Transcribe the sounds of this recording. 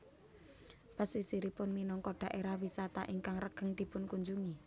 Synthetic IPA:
b̥əsisiɾipʊnminɔŋkɔɖ̪̥a̤ʔeɾahwisat̪aʔiŋkaŋrəɡ̥ə̤ŋd̪̥i̤pʊnkuɲd͡ʒuŋi

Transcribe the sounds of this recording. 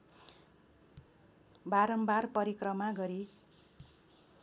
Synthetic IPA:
baɾʌmbarpʌɾikrʌmaɡʌɾi

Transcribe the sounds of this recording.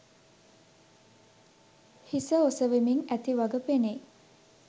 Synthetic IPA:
hisəosəʋemiŋæt̪iʋaɡəpene

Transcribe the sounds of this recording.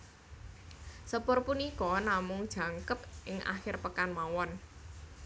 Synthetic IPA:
səb̥ɔrpunikɔnamʊŋd̥ʒ̥ä̤ŋkəpʔɪŋʔa̰xɪrpəkanmawɔn

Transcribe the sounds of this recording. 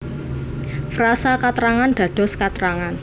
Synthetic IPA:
fɾasakat̪ɾaŋanɖ̪̥a̤ɖ̪̥ɔ̤skat̪ɾaŋan

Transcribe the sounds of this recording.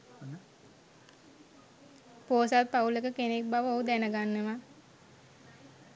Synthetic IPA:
n | poːsat̪̚paulekəkenek̚baʋəoɦud̪ænəɡanːeʋa

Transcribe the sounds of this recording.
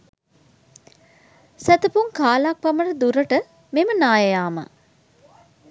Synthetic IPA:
sæt̪əpuŋkaːlak̚pɐməʈəd̪uɾəʈə | memənaːjɐjaːmə̰

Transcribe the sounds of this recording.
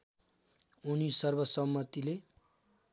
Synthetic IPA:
unisʌrbʌsʌmːʌt̪ile

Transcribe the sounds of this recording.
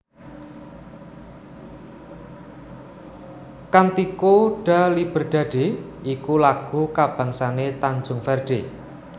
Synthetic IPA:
kant̪ikoɖ̥a̤lib̥ə̤rɖ̪̥a̤ɖ̥e̤ikulaɡ̥ṳkab̥ä̤ŋsanet̪and͡ʒʊŋfɛrɖ̥e̤

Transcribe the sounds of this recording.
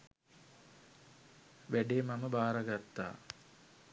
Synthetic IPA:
ʋæɖeːmaməbaːɾaɡat̪ːa̰ː

